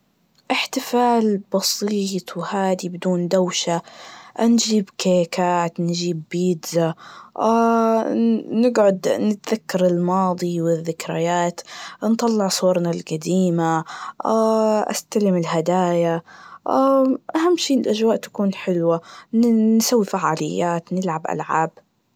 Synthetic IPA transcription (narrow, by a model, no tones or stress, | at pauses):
ʔɪħt̪ɪfaːlbɑsiːt̪ˤwhaːd̪ibɪd̪uːnd̪awʃa | nd͡ʒiːbkekaːt̪nd͡ʒiːbːiːd̪zaa | nɪɡʕʊd̪nɪt̪ðakːɑɾˤɪlmɑːd̪ˤiwɪðːɪkɾajaːt̪nt̪ˤɑlːɪʕsˤuːɾˤnalɡad̪iːmaaʔa̰st̪alɪmɪlɦad̪aːjaʔaʔahamːʃiːɪlʔaʒwaːʔt̪ḁkuːnħɪlwa | nsawːifaʕaːlɪjːaːt̪nɪlʕabʔa̰lʕaːb̚